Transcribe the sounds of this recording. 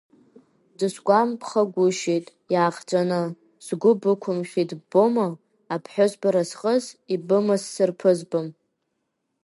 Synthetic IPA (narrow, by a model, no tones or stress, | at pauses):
dɨʃɡʷampʰχaɡʷʊʃijtʼ | jaːχd͡ʒʷʼanɨ | z̥ɡʷʊbɨkʷʰʊmʃʲidboma | apʰħʷᶣozbaɾasχʼəzibɨmɨsːɨrpʰɨzbɨm